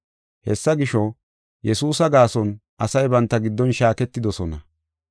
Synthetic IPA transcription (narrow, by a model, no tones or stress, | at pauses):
hɛsːɐɡɪʃɔ | jɛsuːsɐɡaːsɔnʔɐsɐjbɐnt̪ːɐɡɪd̪ːɔnʃaːkɛt̪ːɪd̪ɔsɔnɐ